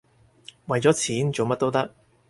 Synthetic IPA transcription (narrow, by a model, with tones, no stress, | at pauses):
wɐ˨jt͡sɔː˨˥t͡sʰiː˨˥nt͡so˨wmɐ˥t̪o˥wt̪ɐ˥k̚